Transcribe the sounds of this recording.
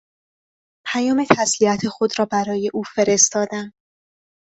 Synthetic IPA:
pʰæjɒːme̞t̪ʰæsliæt̪ʰexod̪ɾɒːbæɾɒːje̞ʔuːfe̞ɾe̞st̪ɒːd̪æm

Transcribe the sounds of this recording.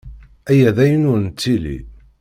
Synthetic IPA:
æjæðæjənʊɾnt͡sːilḭ

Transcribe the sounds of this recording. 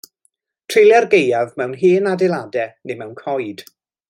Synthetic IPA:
tʰr̥ɪlˠjarɡejavmɛwnɦiːnadɛlˠadɛnemɛwnkʰɔjd̥

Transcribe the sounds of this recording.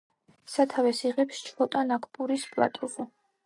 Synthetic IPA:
sat̪ʰavɛsiʁɛpst͡ʃʰɔt̪ʼanakʰpʼuɾispʼlˠa̰t̪ʼuʁɔ

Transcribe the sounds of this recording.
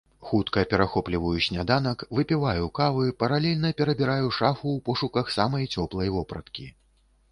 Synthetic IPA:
xut̪kɐpʲɛɾaxɔplʲivɐjuɕʲnʲad̪anɐkvɨpʲivajukavɨpɐɾalʲɛlʲnɐpʲɛɾɐbʲiɾajuʂafuwpɔʂukɐxsamɐjt͡sʲɔplˠɐjvɔpɾɐt̪kʲi

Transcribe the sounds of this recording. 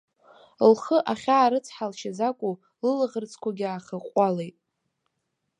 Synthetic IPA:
lχəʔaχʲaːɾɨt͡sʰħalʃazakʷʼu | lɨlɨʁərt͡sʰkʷʰaɡʲaːχʲəqʷʼalejtʼ

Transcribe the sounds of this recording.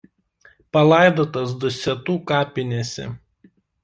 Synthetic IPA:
pɐlˠɑˑɪd̪oːt̪ɐs̬d̪ʊsʲɛt̪uːkɑːpʲɪnʲesʲɛ̰

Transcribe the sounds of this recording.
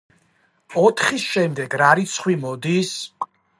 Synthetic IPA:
ɔt̪ʰχisʃɛmd̪ɛɡɾaɾit̪sʰχwimɔd̪is

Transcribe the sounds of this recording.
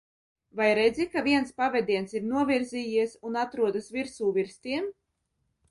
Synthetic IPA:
vajɾɛd̪zʲikaviɛnspavɛd̪iɛnsiɾnuɔvʲiɾziːjiɛsunat̪ɾuɔd̪asvʲiɾsuːvʲiɾst̪iɛm

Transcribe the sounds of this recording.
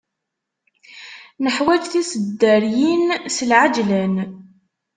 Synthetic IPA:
nəħwæd͡ʒθisəd̪ːəɾjinsəlʕad͡ʒlæn

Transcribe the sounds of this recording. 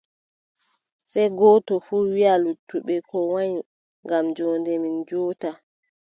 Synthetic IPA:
sɛjɡɔːtɔfuːwialutʰːuɓɛkʰɔwaɲ | ŋɡamd͡ʒɔːndɛmind͡ʒɔːta

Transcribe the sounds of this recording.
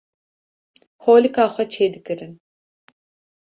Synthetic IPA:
hoːlikaːxʷɛt͡ʃʰeːd̪ɨkɨɾɨn

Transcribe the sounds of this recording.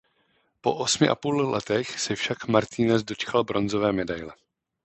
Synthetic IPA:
po̞̰ʔosmɪʔa̰puːllɛ̰t̪ɛxsɛfʃakmaɾt̪ʰinɛzdo̞t͡ʃkalbɾo̞nzo̞vɛːmɛdajlɛ

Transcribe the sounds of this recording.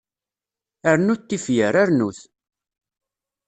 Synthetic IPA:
æɾnut̪ːifjəɾaɾnuθ

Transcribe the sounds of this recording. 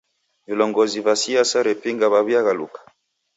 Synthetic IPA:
vilɔŋɡɔzivasiasaɾɛpiŋɡaβaβiaɣalṵkḁ

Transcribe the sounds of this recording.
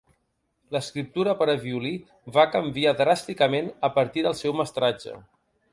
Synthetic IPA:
ləskɾip̚t̪uɾəpəɾəβiuli | βakəmbiaðɾast̪ikəmenəpəɾt̪iðəlˠsɛwməst̪ɾad͡ʒə̰

